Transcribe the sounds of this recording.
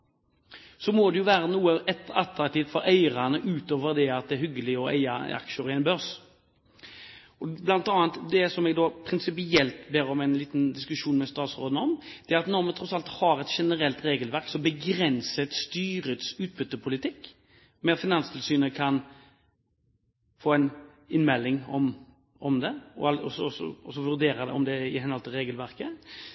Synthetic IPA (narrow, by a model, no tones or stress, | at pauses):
sɔmod̪ɛjʊʋæːɾənuːəʔɛt̪ɑt̪ɾɑkt̪iːft̪fɔɾæɪɾɑnəʔʉːt̪oːʋəɾd̪ɛɑt̪̚d̪ɛæɾɦʏɡəlɪɔʔæ̰ɪɑ̰ɑ̰kʂɔɾɪɛɪnbœʁs | ɔblɑnt̪ɑːənt̪d̪ɛsɔmɛɡd̪ɔpʰɾɪnsɪpɪɛlt̪beːɾɔmɛɪnliːt̪nd̪ɪskʉʂuːnmɛst̪ɑːt̪sʁo̰ːd̪nɔmd̪̥ɛæʁɑt̪nɔʁmɛt̪ʰɾɔsɑlt̪hɑɾɛt̪ʃɛnəɾɛlt̪ɾeːɡəlʋæɾksɔbəɡɾɛnsət̪st̪yːɾət̪sʉːt̪̚bʏt̪ːəpʰʊlɪt̪ʰɪkː | mɛfɪnɑnst̪ʰɪlsyːnəkʰɑn | foːɛɪn | ɪnmɛlːɪŋɔm | ɔmd̪ɛɔɑlɔsɔsɔ̰ɔsɔʋʉʁd̪eːɾɑd̪ɛ̰ɔmd̪ɛɪhɛnhɔlt̪ɪlʁeːɡəlʋæʁkə